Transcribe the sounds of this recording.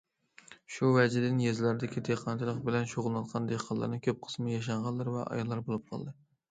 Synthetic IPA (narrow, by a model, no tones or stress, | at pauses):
ʃuvɛd͡ʒɪd̪ɪnjezlæɾd̪ɪkʲʰid̪eqʰɑnt͡ʃʰlˠəqbɪlɛnʃoʁlˠnɑt̪qʰɑnd̪eqʰɑlˠɑ̰ɾnɨŋkʲʰøp̚qʰə̥smɨjɑʃ̬ɑɴʁɑllːˠɨɾvɛ̰ʔɑ̰jɑlˠːɑɾbolˠup̚qʰɑ̰lˠd̪ɨ